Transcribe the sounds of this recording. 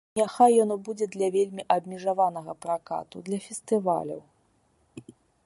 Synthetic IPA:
nʲaxajːɔnɔbud͡zʲɛd̪lʲɐvʲelʲmʲiʔɐbmʲɛʐavanɐɣɐpɾaka̰t̪ud̪lʲɐfʲɛst̪ɨva̰lʲɐ̰w

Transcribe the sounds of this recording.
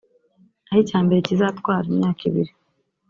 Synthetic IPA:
ahicaːmbe̞ɾecizatwaːɾimɲaːkʰḭβḭɾi

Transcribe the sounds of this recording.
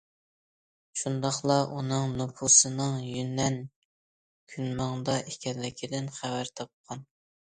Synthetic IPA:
ʃund̪ɑχlˠɑʔunɨŋnupʰusɨnɨŋjynːɛn | kʲʰynmɑŋd̪ɑʔekʲʰɛlːɪkʲʰid̪ɪnχævæɾt̪ʰɑp̚qʰɑn

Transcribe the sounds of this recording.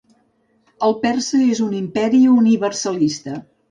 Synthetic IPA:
əlˠpɛrsəezunimpɛɾiuniβərsəlist̪ə

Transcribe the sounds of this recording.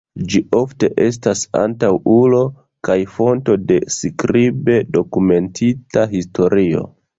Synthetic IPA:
d͡ʒiʔo̞fte̞ʔe̞s̬tasa̰ntawulo̞ | kajfo̞nto̞de̞skɾibe̞do̞kume̞ntʰitaɦistʰo̞ɾio̞̰

